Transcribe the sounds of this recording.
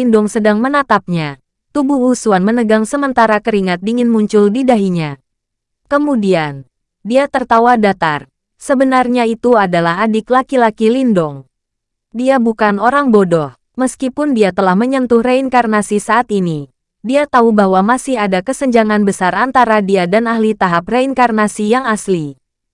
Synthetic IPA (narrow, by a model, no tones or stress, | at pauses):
indɔŋsədaŋmənat̪ap̚ɲa | t̪ubuhusuanmənəɡaŋsəmənt̪aɾakəɾiŋat̪̚diŋɪnmuɲt͡ʃʊldidaɦiɲa | kəmudian | diat̪ərt̪awadat̪ar | səbənarɲait̪uadalaɦadɪklakilakilindɔŋ | diabukanoɾaŋbodɔh | məskipʊndiat̪əlahməɲənt̪ʊhreiŋkarnasisaːt̪ini | diat̪aubahwamasɪhadakəsəɲd͡ʒaŋanbəsarant̪aɾadiadanaɦlit̪aɦapreiŋkarnasijaŋasli